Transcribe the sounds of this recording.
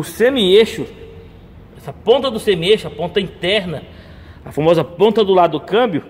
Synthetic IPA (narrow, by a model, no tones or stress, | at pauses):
ʊsẽmieʃʊ | ɛsɐpõnt̪ɐd̪ʊsẽmieʃʊɐpõnt̪ɐĩt̪ɛɾnɐ | ɐfamɔzɐpõnt̪ɐd̪ʊlad̪ʊʊkɐ̃mbjʊ